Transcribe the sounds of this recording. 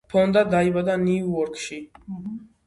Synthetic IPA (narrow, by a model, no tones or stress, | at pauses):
pʰɔnd̪ad̪aibad̪aniuɔɾkʰʃi